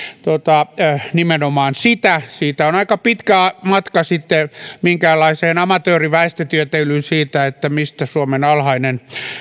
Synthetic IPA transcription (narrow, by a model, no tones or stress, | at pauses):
t̪ot̪ɑnimenomɑːnsit̪æsiːt̪æonɑikɑpit̪kæmɑt̪kɑsit̪ːemiŋkæːlːˑɑiseːnɑmɑt̪øːriʋæist̪et̪yøt̪elynsiːt̪æet̪ːæmist̪æsuomenɑlhɑinen